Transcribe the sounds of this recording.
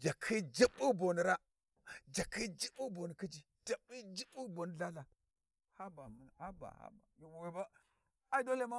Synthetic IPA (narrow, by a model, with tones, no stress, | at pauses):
d͡ʒa˨kʰi˦d͡ʒi˦bu˦bo˨ni˨ɾa˦ | d͡ʒa˨kʰi˦d͡ʒi˦bu˦bo˨ni˨ki˦d͡ʒi˨ | d͡ʒa˨bi˦d͡ʒi˦bu˦bo˨ni˨ɮa˦la˨ | ha˦ba˨m˨a˦ba̰˨ha̰˦ba̰˨jwe˨ba˦ | a˨˦do˦le˦ma˦